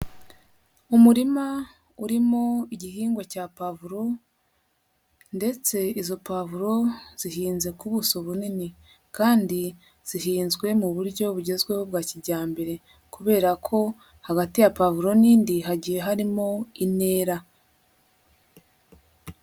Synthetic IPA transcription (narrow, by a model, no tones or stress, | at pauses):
umuɾima | uɾimo̞iɟiɦiːŋɡwocaːpavuɾo̞ | nde̞t͡se̞izo̞pavuɾo̞z̥ihiːnze̞kuβusoβunini | kaːndi | z̥iɦiːnzɡwe̞muβuɾɟo̞βuɟe̞zɡwe̞ho̞bɡaːcidɟaːmbe̞ɾe̞ | kuβe̞ːɾakʰo̞ | haɡatijapavuɾo̞niːndiɦaɟijeɦaɾimo̞ine̞ːɾa